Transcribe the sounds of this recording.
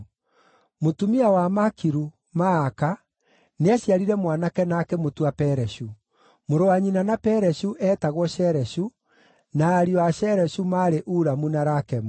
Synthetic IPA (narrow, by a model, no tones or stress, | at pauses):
motumiawamakiɾu | maːka | neaɕiaɾiɾɛmwanakɛnakɛmotuapɛɾɛɕu | moɾowaɲinanapɛɾɛɕuʔɛtaɣwɔɕɛɾɛɕu | naːɾiɔaɕɛɾɛɕumaɾeʔuːɾamunaɾakɛmu